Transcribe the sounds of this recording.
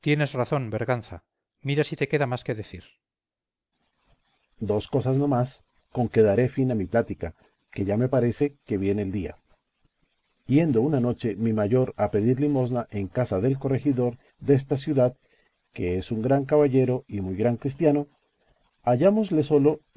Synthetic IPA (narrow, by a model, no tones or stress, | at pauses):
t̪je̞ne̞zraθo̞nbeɾɣanθa | miɾasit̪e̞ke̞ðamaskeðe̞θiɾ | d̪o̞sko̞sazno̞mas | ko̞ŋke̞ðaɾe̞finamiplat̪ika̰ | ke̞ʝame̞paɾe̞se̞ke̞βje̞neld̪ia̰ | bje̞nd̪o̞unano̞t͡ʃe̞mimaʝo̞ɾape̞ðiɾlimo̞znaʔe̞ŋkasaðe̞lko̞re̞xiðo̞ɾ | ðe̞s̬t̪asjuðað | ke̞e̞suŋɡɾaŋk̬aβaʝe̞ɾo̞imujɣɾaŋkɾis̬t̪jano̞ | aʝamo̞zle̞so̞lo̞